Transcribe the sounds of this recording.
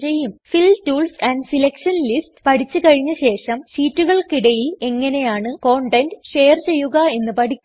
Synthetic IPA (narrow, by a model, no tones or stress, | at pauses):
t͡ɕe̞jːumfiltuːlsɐnɖsilɐkʂɐnlistpɐʈʰit͡ɕːɨkɐɻiɲːɐɕe̞ːʂɐmʂiːtːuɣɐɭkiɽɐjile̞ŋːɐne̞jaːɳɨko̞ːɳʈendʂe̞ːɐrt͡ɕe̞jːuɣɐe̞nːɨpɐʈʰikʲː